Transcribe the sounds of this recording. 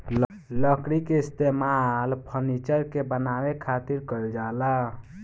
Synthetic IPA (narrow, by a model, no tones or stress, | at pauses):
ləkɾikeist̪emalpʰənit͡ʃəɾkebənawekʰat̪iɾkəld͡ʒala